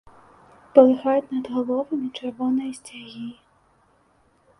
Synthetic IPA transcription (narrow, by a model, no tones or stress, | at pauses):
pɔlˠɪxɑjʊtʲnɐd̪ɦɔlˠɔʋɐmʲit͡ʃeɾʋɔnɔjisʲtʲɐɦʲi